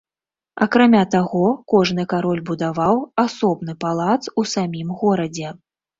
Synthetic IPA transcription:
ɐkɾamʲat̪aɣɔkɔʐn̪ɨkaɾɔlʲbud̪avawasɔbnɨpalˠat̪susamʲimɣɔɾɐd͡zʲɛ

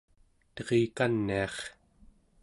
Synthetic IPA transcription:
t̪ʌʁikanːiɑχ

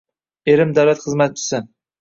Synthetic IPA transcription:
e̞ɾɪmd̪awlat̪χɨzmat̪ɪt͡ʃʰɪ̥san

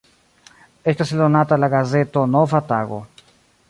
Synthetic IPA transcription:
eskaselonat̪alaɣazet̪onofat̪aɣo̰

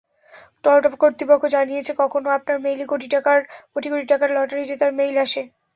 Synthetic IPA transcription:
ʈɔʈopkoɾt̪ipokʰːod͡ʑanijet͡ɕʰekɔkʰonoap̚naɾmejlekoʈiʈakaɾkoʈikoʈiʈakaɾlɔʈaɾid͡ʑet̪aɾmejlaʃe

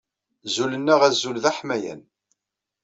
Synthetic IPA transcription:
zulənːæʁæzːulðæħmæjæ̰n

